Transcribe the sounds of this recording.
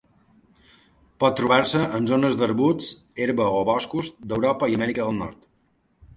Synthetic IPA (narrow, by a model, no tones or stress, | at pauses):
pɔt̪ːɾuβaɾsəʔənzonəzd̪əɾβut͡s | eɾβəoβɔskuzd̪əwɾɔpəiəmɛɾikəðəlˠnɔ̰ɾt̪